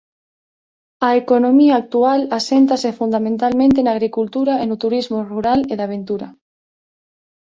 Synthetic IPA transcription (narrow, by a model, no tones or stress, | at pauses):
aekonõmiaːk̚t̪ualasent̪asefund̪amẽnt̪almẽnt̪enaɣ̞ɾikult̪uɾaenot̪uɾizmoruɾaleðaβẽnt̪uɾa